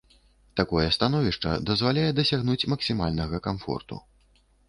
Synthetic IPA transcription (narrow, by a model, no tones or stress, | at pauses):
t̪akɔjɛst̪anɔvʲiʂt͡ʂɐ̰d̪ɐzvalʲajɛd̪ɐsʲaɣnut͡sʲmɐksʲimalʲnɐɣɐkamfɔ̰rt̪ṵ